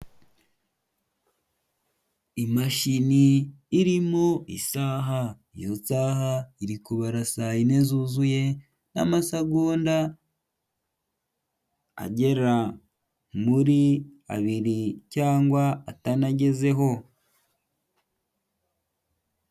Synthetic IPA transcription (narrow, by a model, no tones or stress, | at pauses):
imaʃiniː | ɾimoḭsaːɦaijosaːɦaiɾikuβaɾasajine̞zuzuje̞ | na̰masaɡuːnda | a̰ɟe̞ɾa | muɾia̰βiɾicaːŋɡwaːtanaɟe̞ze̞ɦo̞